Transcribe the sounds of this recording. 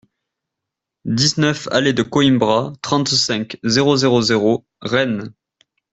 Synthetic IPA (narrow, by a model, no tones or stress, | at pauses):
d̪iznœfa̰led̪əkɔimbʁat̪χɑ̃t̪sɛ̃kzeʁozeʁozeʁo | ʁɛn